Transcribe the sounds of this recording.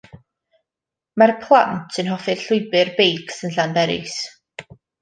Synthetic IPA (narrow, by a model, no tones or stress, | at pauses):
marpʰlˠa̰ntʰənɦɔfɨ̥ɬʊjbɨrbejkʰsənɬandɛɾɪ̰s